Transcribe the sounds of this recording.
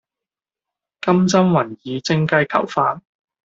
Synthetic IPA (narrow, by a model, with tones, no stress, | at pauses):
kɐ˥mt͡sɐ˥mwɐ˨˩njiː˨˧t͡sɪ˥ŋkɐ˧jkʰɐ̰˨˩wfaː˧t̚